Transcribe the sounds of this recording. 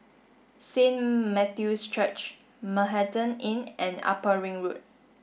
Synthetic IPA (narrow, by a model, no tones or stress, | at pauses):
sẽnmɛtjustʰɹɛt͡ʃ | məɦɛtə̃nɪ̃nʔɛ̃na̰pəɹɪ̃ŋɹut̚